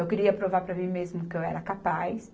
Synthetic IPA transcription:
ewkɪɾiɐpɾovaɾpɾɐmĩmezmʊkɪewɛɾɐkapajs

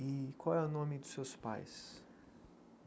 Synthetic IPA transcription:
ikʰɔɛʊnõmid̪ʊ̥sewspa̰js

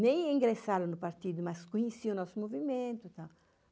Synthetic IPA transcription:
nẽjiŋɡɾesaɾunʊpaɾt̪id̪umaskuɲesiunɔsumovimẽnt̪ut̪a

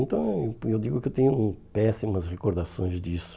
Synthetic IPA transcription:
nt̪ɐ̃w̃ewd̪iɡʊkɪewt̪ẽɲʊpɛsimɐsʁekoɾd̪asõj̃zd̪isʊ̥

